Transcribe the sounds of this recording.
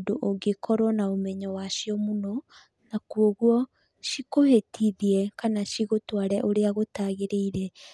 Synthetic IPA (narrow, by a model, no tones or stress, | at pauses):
doʔoɡekɔɾwɔnaomɛɲɔwaʃiɔmunɔ | nakwoɣwɔ | ʃikohetʰiðiɛkanaʃiɣotwaɾɛʔoɾeaɣotaɣeɾeiɾɛ